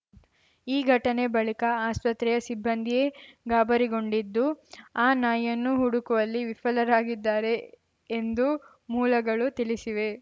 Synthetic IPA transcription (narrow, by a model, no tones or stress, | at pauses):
iːɡʱɐʈɐne̞bɐɭikɐaːspɐt̪ɾɛjɐsibʱːɐnd̪ʱijeɡaːbɐɾiɡo̞ɳɖid̪ːuaːnaːjɐnːuɦuɽukuʋɐlːiʋifɐlɐɾaːɡid̪ːaːɾe̞ː | nd̪u | muːlɐɡɐɭut̪iɭisiʋe̞